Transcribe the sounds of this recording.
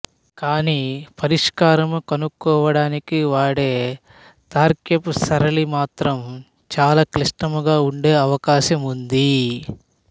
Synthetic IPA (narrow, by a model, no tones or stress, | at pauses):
kaːniːpɐɾiʂkaːɾɐmukɐnukːɔːʋɐɽaːnikiʋaːɽe̞ː | t̪aːɾkepsɐɾɐlimaːt̪ɾɐm | t͡ʃaːlaːkliʂʈɐmuɡaːuɳɖe̞ːɐʋɐkaːʃɐmund̪i